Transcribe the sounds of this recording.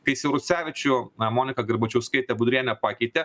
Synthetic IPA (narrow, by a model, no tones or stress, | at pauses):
k̪ɐɪsʲɪɾʊsʲæːʋʲɪt͡ʃʲʊmoːnʲɪkɐɡʲɐɾbɐt͡ʃʲɛɐʊsʲkɐɪt̪ʲɛbʊd̪ʲɾʲiɛnʲɛpɑːkʲɛɪt̪ʲɛ